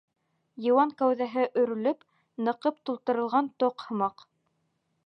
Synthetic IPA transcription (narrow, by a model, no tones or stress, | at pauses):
jɤ̆wɑŋkæwðæɦɘʔɵ̆ɾɵ̆lɵp | nɤ̆qɤp̚t̪ulˠt̪ɤ̆ɾɤ̆lˠʁɑnt̪oqhɤ̆mɑq